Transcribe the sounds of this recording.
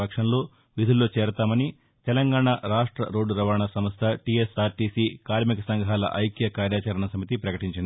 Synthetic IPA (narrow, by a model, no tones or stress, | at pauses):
ɐkʂɐnlo̞ː | ʋid̪ʱulːo̞ːt͡ʃeːɾt̪aːmɐni | t̪ɛlɐŋɡaːɳaɾaːʂʈɾɐ̰ɾo̞ːɖɾɐʋaːɳɐsɐmɐst̪ʰɐʈiesaːɾʈiːsiːkaːɾmikɐsɐŋɡʱaːlɐ̰ʔɐjkjɐkaːɾjaːt͡ʃɐɾɐɳɐsɐmit̪ipɾɐkɐʈiɲt͡ʃind̪i